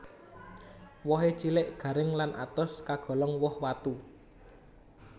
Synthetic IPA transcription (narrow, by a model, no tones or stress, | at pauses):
wɔɦet͡ʃilɪʔɡ̥ä̤ɾɪŋlanʔat̪ɔskaɡ̥ɔ̤lɔŋwɔhwat̪u